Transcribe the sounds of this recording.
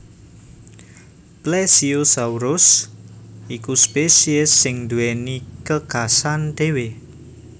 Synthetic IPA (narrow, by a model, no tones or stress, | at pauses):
plɛsiosauɾʊs | ikuspesiɪsːɪŋd̪uwenikəɡ̥asand̪̥e̤we